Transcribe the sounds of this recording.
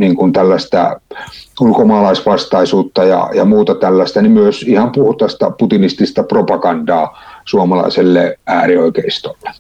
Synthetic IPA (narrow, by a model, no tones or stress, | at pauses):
niŋkunt̪ælːæst̪æ̰ | ulkomɑːlɑˑisʋɑst̪ɑisuːt̪ːɑjɑ̰jɑmuːt̪ɑt̪ælːæst̪ænimyøsihɑmpuht̪ɑst̪ɑ̰put̪inist̪ist̪ɑpropɑkɑndɑːsuɑmɑlɑ̰ˑiselːeʔæːrioikeˑist̪olːe̥